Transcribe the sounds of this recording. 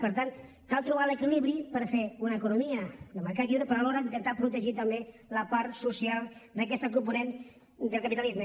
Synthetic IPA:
pəɾt̪an | kalˠt̪ɾuβalekiliβɾipəɾfeunaekunomiad̪əmaɾkat̪kiβɾepəɾaloɾad̪it̪ənt̪apɾut̪eʒit̪ambe | lapaɾsusialˠd̪ak̬ɛst̪ak̬ump̬unen | d̪əlˠkapit̪alizmə

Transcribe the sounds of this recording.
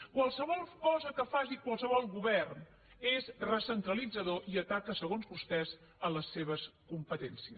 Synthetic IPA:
kwalˠsəβɔlˠkɔzəkəfaʒikwalˠsəβ̞ɔlˠɣuβɛrn | ezrəsənt̪ɾəlid͡zəðoʔiət̪akəsəɣonzβust̪ɛz | ələsːeβ̞əskumpət̪ɛnsiə

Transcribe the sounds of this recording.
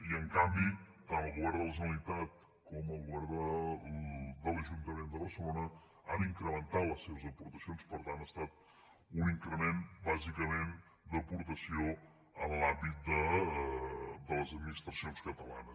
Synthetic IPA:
iəŋkambit̪anəlˠɣuβɛɾðələsənəlit̪at̪̚ | kɔməlˠɣuβɛɾd̪ə | d̪ələʒunt̪əmend̪əβəɾsəlonə | aniŋkɾəmənt̪at̪ləsːeβəzəpuɾt̪əsionspəɾt̪anəst̪at̪̚ | uniŋkɾəmenbazikəmen | d̪əpuɾt̪əsio | ənlambit̪̚d̪ə | d̪ələzəd̪minist̪ɾəsionskət̪əla̰nə

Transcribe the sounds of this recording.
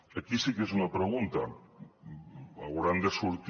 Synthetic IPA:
akisikes̬unɐpɾeɣunt̪ɐ | awɣɾand̪esuɾt̪

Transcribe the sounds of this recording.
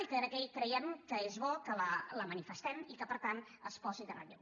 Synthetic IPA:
iknəkɛjkɾəjɛmkəezβɔkələləmənifəst̪ɛmikəpəɾt̪an | əspɔzind̪ərə̰ʎɛ

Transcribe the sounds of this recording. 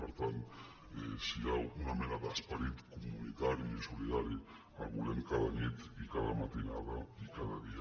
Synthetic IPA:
peɾt̪ant̪ | esiɣawunamenaðaspaɾit̪kumunit̪aɾjisoliðaɾe | alɣuleŋkaðanit̪ikaðamat̪inaðaikaðaðia

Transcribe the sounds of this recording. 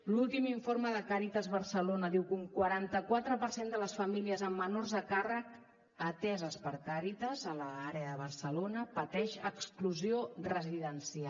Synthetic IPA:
lulˠt̪imiɱfoɾməðəkaɾit̪əzβərsəlonəðiwkuŋkwəɾant̪əkwat̪ɾəpəɾsend̪ələsfəmiliəzəmːənorzðəkarək | ət̪ɛzəspəɾkaɾit̪əzələaɾeəðəβ̞ərsəlonəpət̪ɛʃəkskluziorəziðənsia

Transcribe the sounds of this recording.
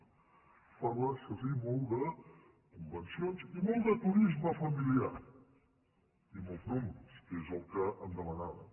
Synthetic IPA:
faɾəsəzimolˠd̪ə | kumbənsionzimolˠd̪ət̪uɾizməfəmilia̰ | imolˠznomɾəskezəlˠkəəmd̪əmənaðə̰

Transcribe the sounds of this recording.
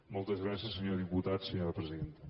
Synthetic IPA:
molˠt̪əzɣɾasjəsːəɲoɾðiput̪at̪səɲoɾəpɾəziðent̪ə

